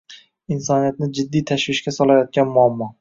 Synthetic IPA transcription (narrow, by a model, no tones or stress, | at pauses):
ɪnsɒnijat̪̚nɪd͡ʒɪd̪ːijt̪ʰaʃwɪʃkʲasɒlajɒt̪̚ɡʲanmʊamːɒ